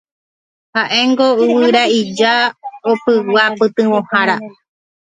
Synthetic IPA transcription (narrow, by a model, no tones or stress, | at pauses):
haʔe̞ŋɡo̞ɨwɨɾaid͡ʒaopɨwapɨt̪ɨ̃wõhãɾa